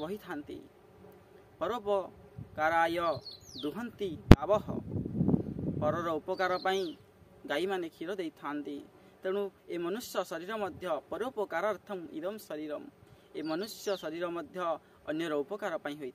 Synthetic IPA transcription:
bɔɦit̪ʰant̪ḭ | pɔɾopɔkaɾajɔd̪uɦɔnt̪iabɔɦɔ̰ | pɔɾɔɾɔupɔkaɾɔpaĩ | ɡaimanekʰiɾɔd̪ejt̪ʰant̪i | t̪ẽũemɔnusjɔsɔɾiɾɔmɔd̪ʱjɔpɔɾopɔkaɾaɾt̪ʰɔmḭd̪ɔmsɔɾiɾɔm | emɔnusjɔsɔɾiɾɔmɔd̪ʱjɔː | njɔɾɔupɔkaɾɔpaĩɦojt̪ʰ

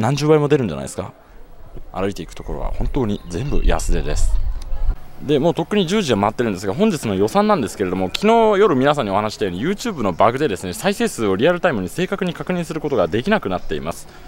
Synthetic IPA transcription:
nãɲ̟d͡ʑɨːbaimo̞d̪e̞ɾɯ̟̃ɲ̟d͡ʑa̰na̰jd̪eska̰ | a̰ɾɯ̟it̪e̞ikɯ̟̥t̪o̞ko̞ɾo̞̰a̰hõ̞nt̪o̞ːɲ̟izẽ̞mbɯ̟̰ja̰sɨd̪e̞̰d̪e̞sɨ̥ | d̪e̞mo̞ːt̪o̞kːɯ̟ɲ̟id͡ʑɨːʑiɡamaat̪ːeɾɯ̟nd̪esɨɡaɦõ̞ɲ̟d͡ʑit͡sɨno̞jo̞sãnːãnd̪e̞sɨ̥ke̞ɾe̞d̪o̞mokʲʰino̞ːjo̞ɾɯ̟mʲinas̬ãɲːio̞hanaɕi̥t̪ajo̞ɲijɯ̟ːt͡ɕɨːbɯno̞baɡɯ̟d̪e̞d̪e̞sɨne̞saise̞ːsɨːo̞ɾʲiaɾɯ̟t̪aimɯ̟ɲ̟ise̞ːkakɯ̟ɲ̟ikakɯ̟ɲ̟ĩɰ̃sɨɾɯko̞t̪o̞ɡad̪e̞kʲinakɯ̟nat̪ːe̞imasɨ̥

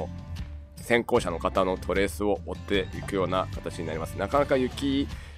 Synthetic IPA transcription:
sẽ̞ŋko̞ːɕano̞kat̪ano̞t̪ʰo̞ɾe̞ːsɨo̞ːt̪ːe̞ikɯ̟jo̞ːnakḁt̪at͡ɕiɲ̟inaɾʲimasɨnakanakajɯ̟kʲi

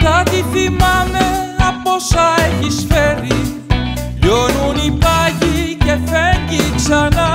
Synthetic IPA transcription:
t̪at̪ifimameapːɔsaɛkːisfɛɾi | jonunipaɡikefɛŋɡit͡ʃana

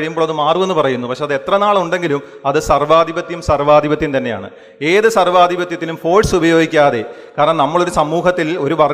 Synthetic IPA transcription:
ɻijumboːɭɐðɨmaːrukuenːupɐrɐjunːupɐkʂeɐðɨe̞t̪rɐnaːɭɐuɳɖe̞ŋɡilum | ɐðɨsɐrʋaːd̪ʱibɐt̪ːjumsɐrʋaːd̪ʱibɐt̪ːjɐmt̪ɐnːe̞ja̰ːɳɨ̰ | e̞ːðɨsɐrʋaːd̪ibɐt̪ːjɐt̪ːilumfo̞ːɖsubɐjo̞ːɡʱikʲːaːðe̞̰kaːɾɐɳɐnɐmːɐɭo̞ɾusɐmːuːɦɐt̪ːilo̞ɾuʋɐr

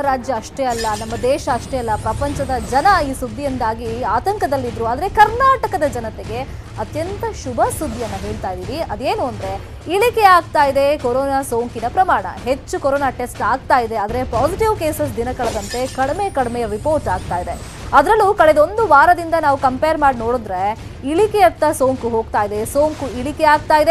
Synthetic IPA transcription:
ɐɾaːd͡ʒjɐːʂʈeɐlːɐnɐmːɐd̪ɛːʃɐːʂʈeɐlːɐpɾɐpɐɲt͡ʃɐd̪ɐd͡ʒɐnɐiːsud̪ʱːijɐnd̪aːɡiaːt̪ɐŋkɐd̪ɐlːid̪ɾuaːd̪ɐɾe̞kɐɾnaːʈɐkɐd̪ɐd͡ʒɐnɐt̪eɡe̞ | ɐt̪jɐnt̪ɐʃubʱɐsud̪ʱːijɐnːɐɦe̞ːɭt̪aːjd̪iːʋiɐd̪eːnuɐnd̪ɾe̞ | iɭike̞aːɡ̚t̪aːjid̪e̞koɾoːnaːsoːŋkinɐpɾɐmaːɳɐ̰ɦe̞t͡ʃːukoɾoːnaːʈe̞sʈaːɡ̚t̪aːjid̪e̞ɐːd̪ɐɾe̞paːsiʈiʋkeːsesd̪inɐkɐɭd̪ɐnt̪e̞kɐɽme̞kɐɽmejɐɾipoːɾʈaːɡ̚t̪aːjid̪e̞ | ɐd̪ɾɐlːukɐɭed̪o̞nd̪uʋaːɾɐd̪ind̪ɐnaːʋukɐmpejɐɾmaːɖno̞ːɽod̪ɾe | iɭikeɐt̪ːɐsoːŋkuɦo̞ːɡt̪aːjid̪e̞soːŋkuiɭikeaːɡ̚t̪aːjid̪e

